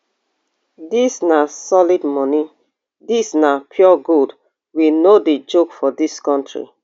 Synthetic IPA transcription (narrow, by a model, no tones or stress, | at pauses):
disnasɔlidmɔni | disnapʰjɔɡud | winoded͡ʒokfɔdiskɔ̃ntʰɹḭ